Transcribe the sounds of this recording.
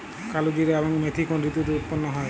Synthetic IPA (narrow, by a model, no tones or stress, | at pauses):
kalud͡ʒiɾeabɔŋmet̪ʰikɔndɾit̪ut̪uut̪̚pɔnːɔɦɔj